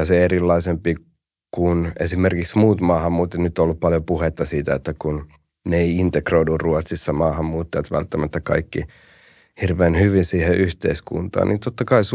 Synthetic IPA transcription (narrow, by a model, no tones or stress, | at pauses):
ɑseeɾilːɑisempi | kunḛsimerkiksmuːt̪mɑːhɑmːuːt̪ːenyt̪ːolːuppɑljopuhet̪ːɑsiːt̪æet̪ːækun | neeiint̪ekroidurruot̪sisːɑmɑːhɑmːuːt̪ːɑɑt̪ʋæ̰lt̪ːæmæt̪ːækɑ̰ikːi | hirʋeːnhyʋinsiːheʔyht̪eiskṵnt̪ɑ̰ːnʔint̪ot̪ːɑkɑis